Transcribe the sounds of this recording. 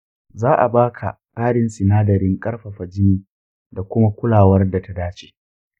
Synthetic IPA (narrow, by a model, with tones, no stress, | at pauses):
zaː˦ʔa˨baː˦kʰa̰˨ | kʼaː˦ɽɪ˨nsɪ˨naː˦dɐ˨ɾɪ˦ŋkʼɐ˦rɸɐ˨ɸɐ˨d͡ʒɪ˦niː˨ | da˨kʷʊ˦ma˦kʷʊ˦laː˨wɐ˦rda˨ta˦daː˦t͡ʃe̥ː˨